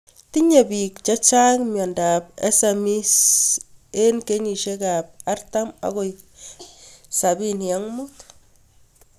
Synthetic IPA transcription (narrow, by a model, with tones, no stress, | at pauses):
ti˦ɲe˨bi˨kt͡ʃa˦t͡ʃa˦ŋmjɔ˨nda˨pḛ˦semi˦s | e˦nke˦ɲi˨ʃe˦ka˨p̚a˦rta˦ma̰˨ko˨j | sa˨bi˦nja˦ŋmu˦t